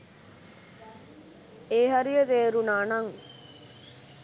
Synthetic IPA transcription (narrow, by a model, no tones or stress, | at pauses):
eːɦɐɾijət̪eːɾunaːnɐŋ